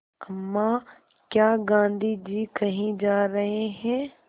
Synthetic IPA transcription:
ɐmːa | kjaːɡãːnd̪ʱid͡ʒiːkɐɦĩd͡ʒaːɾɐɦeɦɛ̃ː

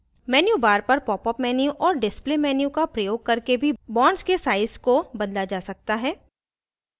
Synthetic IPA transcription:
mɛːnjubaːɾpɐɾpɔːpɔpmɛːnjuʔɔːɾɖɪsplemɛːnjukapɾɐjoːɡ̚kɐɾkebʱibɔ̃ːɳɖskesaːɪskobɐd̪lad͡ʒaːsɐk̚t̪aɦɛː

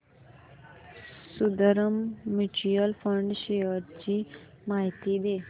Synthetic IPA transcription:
sud̪əɾəmːiʈijəlfəɳɖʃeəɾt͡ɕi | maɦt̪id̪eː

